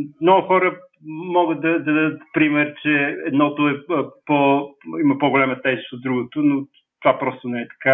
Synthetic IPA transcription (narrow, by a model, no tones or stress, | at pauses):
mnɔɡʊxɔɾə | mɔɡət̪̚d̪ɐd̪ɐd̪ɐd̪ət̪pɾimɛɾt͡ʃɛɛd̪nɔt̪ʊɛpoimɐpoɡolʲɛmət̪ɛzist̪od̪ɾuɡot̪ʊno | t̪ovapɾɔst̪onɛɛt̪ɐ̥ka